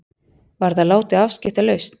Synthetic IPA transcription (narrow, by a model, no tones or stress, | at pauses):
vaɾðaðlaːwt̪ɪafscɪht̪alœɥst̪n̥